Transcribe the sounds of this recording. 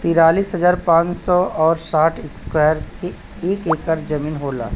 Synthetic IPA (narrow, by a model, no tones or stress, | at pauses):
t̪iːɾaːliːsɦɐd͡ʒaːɾpãːt͡ʃsɔɔːɾsaːʈʰɪkskɛːɾke | eːkeːkəɾd͡ʒɐmĩːnɦoːla̰ː